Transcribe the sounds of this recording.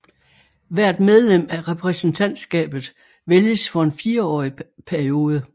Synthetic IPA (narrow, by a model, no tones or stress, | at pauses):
ʋæɐ̰d̥með̞ˠlem̰æʁɛpʰʁɛsn̩t͡sʰæn̰d̥sɡ̥ɛ̰ːb̥ð̞̩ˠ | ʋeljəsfɒ̽e̝nfiːɐɒ̰ːipʰæɐio̝ːð̞ˠə